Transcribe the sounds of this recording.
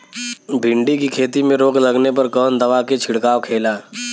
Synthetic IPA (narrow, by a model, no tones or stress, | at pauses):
bʱɪ̃ɳɖikikʰeːt̪imẽɾoːklɐɡnepɐɾkɔːnd̪ɐʋaket͡ʃʰɪɽkaːʋkʰeːlaː